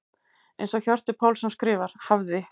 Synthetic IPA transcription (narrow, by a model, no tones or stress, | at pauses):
ḛjnsɔɣçɔr̥t̪ɪpʰaːwlsɛmskɾɪːvaɾ̥havðɪ